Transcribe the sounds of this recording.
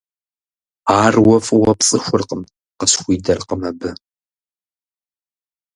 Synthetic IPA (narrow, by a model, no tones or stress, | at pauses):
aːrwɔfʼɨwɐpt͡sʼɨxʷʊrqəm | qəsxʷiːdɐrqəmɐbɨ